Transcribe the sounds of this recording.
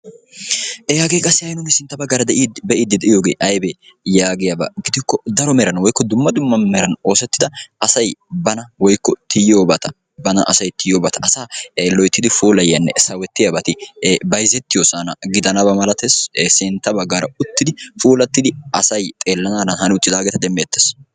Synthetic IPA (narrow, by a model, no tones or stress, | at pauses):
ʔɛjaːɡekʼɐsːɪɐjnʊŋɡɛsɪnt̪ːɐbɐɡːaːɾɐd̪ɛʔibɛʔiːd̪ːɪd̪ɛʔɪjo̞ːɡeːʔɐjbejaːɡɪjɐbɐ̰ɡɪd̪ɪkːɔd̪ɐɾɔmɛɾɐnwɔjkːɔd̪ʊmːɐd̪ʊmːɐmɛɾɐno̞ːsɛt̪ːɪd̪ɐɐsɐjbɐnɐwɔjkːɔt̪ɪjoːbɐt̪ɐ | bɐnɐ̰ʔɐ̰sɐjt̪ɪjoːbɐt̪ɐ̥ʔɐsaːlɔjt̪ːɪd̪ɪfuːlɐjɐnːɛ̰sɐwɛt̪ːɪjɐbɐt̪ɪbɐjzɛt̪ːɪjoːsanɐ̰ɡɪd̪ɐnɐbɐmɐlɐt̪essɪnt̪ːɐbɐɡːaːɾɐʊt̪ːɪd̪ɪfuːlɐt̪ːɪd̪ɪɐsɐjt̪ʼe̞ːlːɐnaːnɐnhɐnɪʊt̪ːɪd̪aːɡɛt̪ɐd̪ɛmːeːt̪ːes